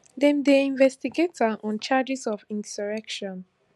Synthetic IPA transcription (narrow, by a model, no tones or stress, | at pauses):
dɛ̃mdeĩnvɛstiɡetaʔɔ̃nt͡ʃad͡ʒisɔvĩnsɔɹɛkʃɔ̃n